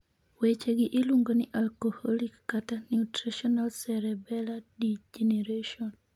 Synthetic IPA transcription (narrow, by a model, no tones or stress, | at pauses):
wet͡ʃeɡɪʔɪluŋɡonɪʔalkohɔlikːatanjutɾiʃɔnalsɛɾɛbɛladid͡ʒeneɾaʃɔn